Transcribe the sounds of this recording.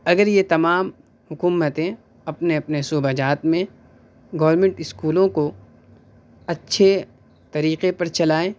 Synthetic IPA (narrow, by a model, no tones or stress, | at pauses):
ɐɡəɾjet̪ɐmaːm | hʊkuːmət̪ẽ | ɐpneɐpnesuːbɐd͡ʒaːt̪mẽ | ɡɔːʋɾmẽɳʈɪskuːlõko | ɐtːʃʰe | t̪ɐɾiːqepɐɾt͡ʃɐlaːẽː